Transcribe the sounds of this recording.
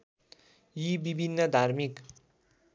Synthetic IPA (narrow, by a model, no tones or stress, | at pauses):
jibibʱinːʌd̪ʱarmik